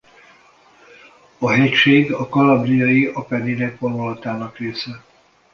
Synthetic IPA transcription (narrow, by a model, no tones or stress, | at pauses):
ɒɦɛcʃeːɡɒkɒlabrijɒjiɒpɛniɾɛkponolɒt̪aːnɒkreːsɛ